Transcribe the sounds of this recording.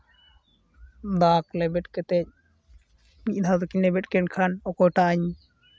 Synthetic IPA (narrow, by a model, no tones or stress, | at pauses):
d̪aklɛbɛʈ̚kɛt̪ɛc̚ | miʔd̪ʱad̪ɔkinɛbɛʈ̚kɛnkʰanɔkɔjʈaaɲ